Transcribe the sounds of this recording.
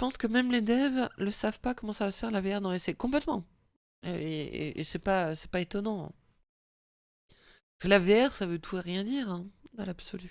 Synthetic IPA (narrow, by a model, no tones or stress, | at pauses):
əpɑ̃skəmɛmled̪ɛvləsavpakɔmɑ̃savafɛʁlaveɛʁnɑ̃esɛkɔ̃plɛt̪mɑ̃ | øeḛʔḛsɛpaøsɛ̥paet̪ɔnɑ̰̃ | askəlaveɛʁsavøt̪ʰuʁjɛ̃d̪iːʁɛ̃d̪ɑ̃labsɔly